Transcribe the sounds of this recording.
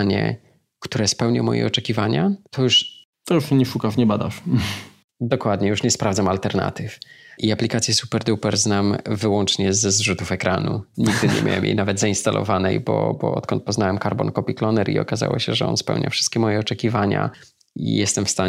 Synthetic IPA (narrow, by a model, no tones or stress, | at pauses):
ɲɛ̰ | kt̪uɾɛspɛwɲamɔjɛ̰ɔt͡ʂɛkʲivaɲat̪ʰɔjuʂ | t̪ɔjuʂɛɲɛʂukaʂɲɛbad̪aʂ | d̪ɔkwad̪ɲɛjuʂɲɛspɾavdzamalt̪ɛɾna̰t̪ɘfʔiaplʲikat̪sʲjɛsupɛɾd̪upɛɾznamvɘwɔnt͡ʂɲɛzzʐut̪ufɛkɾanuɲiɡ̚d̪ɘɲɛ̰mʲja̰wɛ̰mjḛjnavɛd̪zainst̪alʔɔ̰vanɛjbɔbɔ̰ɔ̰t̪kɔnt̪pɔznawɛmkaɾbɔnkɔpʲiklɔnɛɾʔiɔ̰kaza̰wɔɕɛʐɛɔ̰nspɛ̰wɲʔa̰fʂɨst̪̚kʲɛmɔjɛɔt͡ʂɛkʲivaɲa̰ | ḭjɛst̪ɛmfst̪a